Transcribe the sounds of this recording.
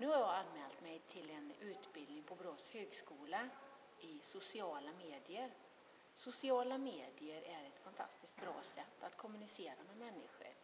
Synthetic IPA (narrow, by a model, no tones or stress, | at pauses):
nʉ̟ːhaɾjɑɡalmɛːlt̪mɛjt̪ʰɪlɛnʉ̟ːt̪bɪld̪nɪŋpʰɔbɾoːt̪shøːɡskuːla | ɪsʊsɪɑːlameːd̪ɪəɾ | sʊsɪɑːlameːd̪ɪəɾʔæɾɛt̪fant̪ʰa̰st̪ɪskt̪̚bɾɑ̰ːsɛt̪ːat̪kʰɔmɵnɪseːɾamɛmɛnːɪɧə̰ɾ